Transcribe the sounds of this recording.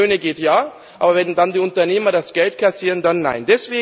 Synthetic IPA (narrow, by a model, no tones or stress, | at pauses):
øːnəɡeːtjaː | ʔa̰ːbɐvɛndandiːʊntɐneːmɐɾasɡ̥ɛltkʰasiːʁəndanːa̰ɪndɛsv̥eː